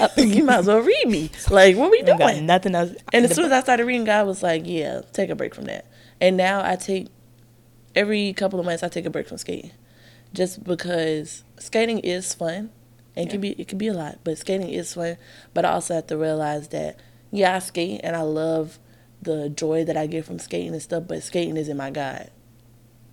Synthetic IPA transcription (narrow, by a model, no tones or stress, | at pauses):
imazoɹibilaɪkwʌwəjɨduɪ̃ŋnʌθɪ̃ŋɛsɨ̃nnɨzsʉ̃nnɨzaɪstɑɹɾɨd̚ɹiɾɪ̃ŋɡɑwʌzlaɪkjæ̰tʰeɪkɨbɹeɪkfɹʌ̃mðæ̰t̚ | ɨ̃nːaʊʔa̰ɪtʰeɪk | ɛvɹikʰʌpl̩ˠʌvmʌ̃nθsaɪtʰeɪkɨbɹeɪkfɹʌ̃mskeɪɾɪ̰̃ŋ̥ | d͡ʒʌsb̥ɨkʰʌz̥skeɪɾɪ̃ŋʔɪz̥fʌ̃n | ʔɨ̃nkɨ̃nbiʔɪt̚kʰɨnbiəlaɪt̚b̥ʌtskeɪɾɪ̃ŋɪ̰z̥fʌ̃nb̥ʌɾaɪɔ̰lˠsoʊhæftɨɹiəlaɪzðɨ̰t̚ | jæaɪskeɪɾ̰̃ŋʔɨ̰̃naɪlʌv | ðəd͡ʒɔɪðɨɾaɪɡɪtfɹʌ̃mskeɪɾɪ̃ŋɨ̃nstʌfb̥ʌ̰tskeɪɾɪ̰̃ŋɨzɨ̃nmaɪɡaɪ̥